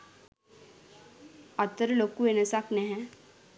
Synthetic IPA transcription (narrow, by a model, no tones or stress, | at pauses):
ɐt̪ːəɾloːkːuenesakneɦɛ̃